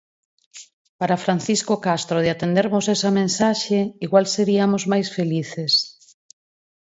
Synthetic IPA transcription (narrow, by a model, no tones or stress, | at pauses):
paɾafɾan̟θiskokast̪ɾoðɪat̪end̪eɾmʊsɛsɐmẽnsaʃeiɣwalseɾiɐmozmajsfeliθes